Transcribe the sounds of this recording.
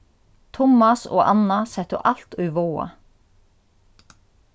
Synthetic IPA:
t̪ʰʊmɑso̰ːʔɑnɑsɛt̪ʊ̰ʔɑlt̪ʉːʋoːɑ̰

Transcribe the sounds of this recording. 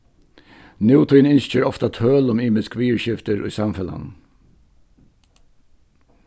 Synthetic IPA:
njuːt̪ʰʏnɪnʃc͡çøːɹɔft̪ɑt̪ʰøːlʊmiːməskʋiːəɹʃɪft̪əɹʔy̰ːsɑmfɛlɑ̰n

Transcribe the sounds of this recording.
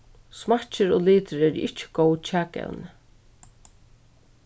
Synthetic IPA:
smḁt͡ʃɪɾoliːt̪əɾɛːɾɪt͡ʃɪ̥ɡowt͡ʃʰaːkɛ̰lnɪ

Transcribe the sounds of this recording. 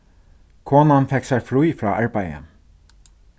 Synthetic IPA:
kʰoːnanfɛksaɹfɾujfɾɑ̰ːʔaɹpajə̰n

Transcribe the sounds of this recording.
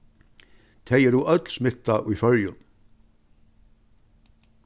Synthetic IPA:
t̪ʰejɛɾuʔœt̪l̥smɪht̪ːaʔujfœɾjʏn

